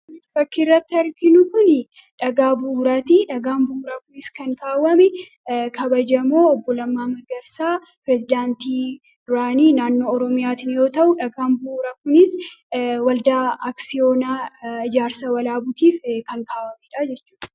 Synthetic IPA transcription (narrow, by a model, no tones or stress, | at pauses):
nɪsfɐkːɪrːɐt̪ːɪɐɾɡɪnʊkʊn | ᶑɐɡaːbuːɾat̪iᶑɐɡaːnbuːɾakʊnɪskɐŋkaːwɐmɛ | kʰɐbɐd͡ʒɐmoːɔbːɔlɐmːaːmɐɾɡɐɾsaː | pɪɾɛsɪd̪aːnt̪iː | d̪̥ʊɾaːniːnaːnːo̞ːɔɾɔmɪjaːt̪ɪnjo̞ːt̪ɐʔʊᶑɐɡaːmbuɾɐkʊnɪs | wɐld̪aːaksɪoːnaːɪd͡ʒaːɾsɐwɐlaːbʊt̪iːfkɐŋkʰaːwɐmɛᶑɐd͡ʒɛt͡ʃːuːᶑ